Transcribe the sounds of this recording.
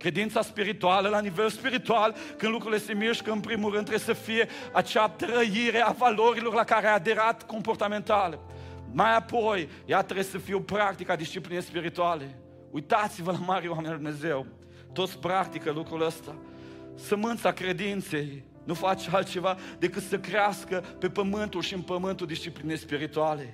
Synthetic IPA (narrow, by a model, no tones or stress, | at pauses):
kɾe̞d̪int̪saspiɾit̪ualəlanive̞lspiɾit̪ual | kɨnd̪lukɾulje̞st̪emiʃkəɨnpɾimulɾɨnd̪t̪ɾebsəfije̞at͡ʃeat̪ɾəjiɾe̞avalo̞ɾilo̞rlakaɾeajad̪e̞ɾat̪ko̞mpo̞rt̪ame̞nt̪aləmajapo̞j | jat̪ɾebsəfiwpɾak̚t̪ikad̪ist͡ʃiplinejspiɾit̪uale̞ | ujt̪at̪sivəlamaɾewamenald̪umne̞ze̞w | t̪o̞t̪sʲpɾak̚t̪ikəlukɾuləst̪a | səmɨnt̪sakɾe̞d̪int̪se̞j | nufat͡ʃalt̪̚t͡ʃe̞vad̪e̞kɨt̪səkɾeaskəpe̞pəmɨnt̪ulʃiɨnpəmɨnt̪uld̪ist͡ʃiplinejspiɾit̪uale̞